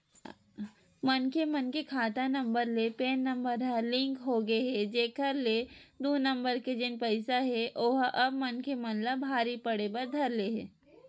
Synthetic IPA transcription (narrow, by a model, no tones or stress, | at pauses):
mɐnkemɐnkekʰaːt̪anɐ̃mbəɾlepeːnːɐ̃mbəɾəlɪ̃ŋkɦoɡeɦɛd͡ʒeːkəɾled̪uːnə̃mbəɾked͡ʒɪnpɐɪsaɦɛʔoɦɐb̚mɐnkemɐnlabʱaːɾipɐɽebɐɾd̪ʱɐɾleɦɛː